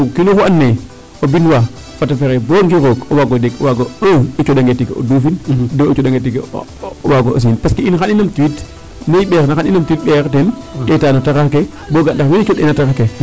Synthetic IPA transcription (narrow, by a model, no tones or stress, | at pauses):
kinuxuanːe | obinwa | fatafeɾeboŋɡiɾokowaɡodekwaɡoə̃it͡ʃoɗaŋɡetikeo̰dufindoit͡ʃoɗaŋɡetikewaɡo̰s̬inpaskiinxaninamtiwit | neiɓeɾnaxaninamtiwit̚ɓekten | etaːnotakake | boɡandakwinit͡ʃoɗenatakake